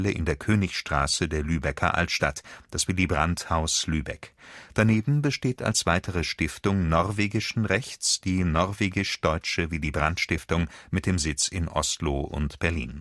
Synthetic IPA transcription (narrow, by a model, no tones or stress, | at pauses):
ləʔɪ̰ndeːɐkʰøːnɪçsʃtʁ̥aːsədeːɐlyːbɛkʰɐ̰ʔa̰ltʃta̰td̥asv̥iːldiːbʁanthaʊslyːbɛ̰kd̥aneːbm̩bəʃteːta̰lsv̥aɪtʰəʁəʃtɪftʊŋnɔɐveːɡɪʃn̩ʁɛçt͡sd̥iːnɔɐveːɡɪʃd̥ɔʏt͡ʃəviːdiːbʁantʃtɪftʊŋmɪt̚d̥eːmzɪt͡sɪnʔɔ̰stloːʔʊ̰ntb̥ɛɐlḭːn